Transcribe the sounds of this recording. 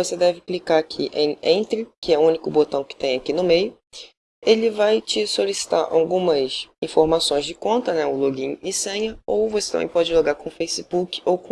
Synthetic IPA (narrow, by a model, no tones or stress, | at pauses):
vosed̪ɛvɪklikaɾakʰiʔẽẽt̪ɾɪkɪɛʊũnikʊbot̪ɐ̃w̃kɪ̥t̪ẽj̃akinʊmejʊ | elɪvajt͡ʃɪsolisi̥t̪aɾʔa̰wɡũmɐsĩfoɾmasõj̃zd͡ʒɪkõnt̪ɐnɛʊloɡĩɲɪ̃sẽɲɐowvoset̪ɐ̃mḛ̃j̃pɔd͡ʒɪloɡaɾkõfejsibukɪ̥owkõ